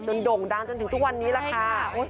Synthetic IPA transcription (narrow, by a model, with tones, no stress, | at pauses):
t͡ɕo˧ndo˨˩ŋda˧ŋt͡ɕo˧nt̪ʰɯ˩˦ŋt̪ʰk̚wa˧nːiː˦˥ɾaː˧kʰaː˧